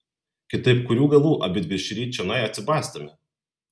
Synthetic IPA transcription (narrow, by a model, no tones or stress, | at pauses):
kʲɪt̪ɐɪp̚kʊɾʲuːɡɐlˠuːʔɐbʲɪt̪ʲbʲɪʃʲɾʲiːt͡ʃʲɛnɐɪɐt̪ʲsʲɪbɑːsʲt̪ɐmʲɪ